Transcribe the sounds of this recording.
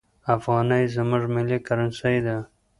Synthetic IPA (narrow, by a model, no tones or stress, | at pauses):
afɣɑnajzəmʊʐmɪlikaɾansajd̪a